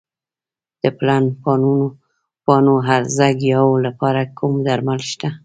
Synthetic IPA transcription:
d̪̥əplanpɑnuno | pɑnoɦaɾzaɡjɑwlapɑɾakʰumd̪aɾmalʃt̪a

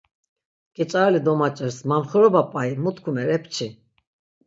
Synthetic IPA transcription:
kʼɛt͡ʃʼaɾɛlid̪ɔmat͡ʃʼɛɾsmamχəɾɔbapʼaimut̪kʰumɛɾɛpʰt͡ʃʰi

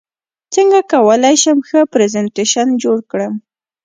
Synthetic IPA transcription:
t͡səŋɡakawəlajʃamxəpɾezanteʃand͡ʒoɽkɽəm

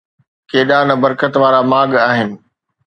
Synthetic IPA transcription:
keːɗanɐbɐɾkət̪ʋaːɾamaːɠaːɦɪnɪ̆

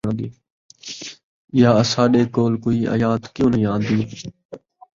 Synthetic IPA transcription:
nd̪iː | ɪjaːsaːɗeːkoːlkoːiːa̰ːjaːt̪kjõːnəjãːnd̪iː

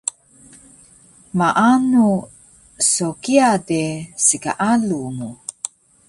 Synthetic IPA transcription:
maʔanu | sokiadesika̰ʔaluŋu

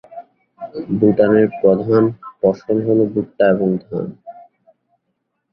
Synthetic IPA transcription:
buʈaneɾpɾɔd̪ʱanpɔʃonɦolobuʈːaeboŋd̪ʱa̰n

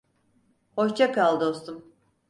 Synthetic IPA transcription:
hoʃt͡ʃʰakʰalˠd̪o̞st̪um

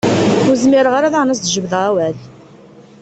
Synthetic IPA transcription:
xuzmɪɾʁaɾæðaʁnæs̬d̪ʒəbðʁæwæl

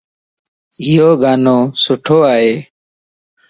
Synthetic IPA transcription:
ɪjoːɡaːnõːsʊʈʰoːaːɦeː

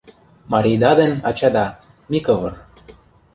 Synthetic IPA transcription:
mɑɾʲijd̪ɑd̪ĕnʲɑ̰t͡ɕɑd̪ɑ | mikɤvɤr

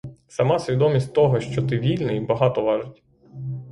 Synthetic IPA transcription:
sɐmɑsʲʋʲid̪ɔmʲisʲtʲt̪ɔɦɔʃt͡ʃɔt̪ɪʋʲilʲnɪjbɐɦɑt̪ɔʋɑʒʊtʲ

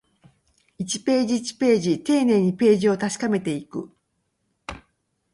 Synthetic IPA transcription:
it͡ɕi̥pe̞ːʑiːt͡ɕi̥pe̞ːʑit̪e̞ːne̞ːɲ̟ipe̞ːʑio̞t̪aɕi̥kame̞t̪e̞ikɯ̟̰

